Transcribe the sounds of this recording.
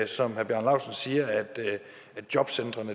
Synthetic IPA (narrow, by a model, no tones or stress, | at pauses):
sɒ̽mhæɐb̥jæɐ̰nlɑ̈ʊ̰sənsiːɐæd̥ | æd̥̚jɒ̽b̥send̥ʁɐnə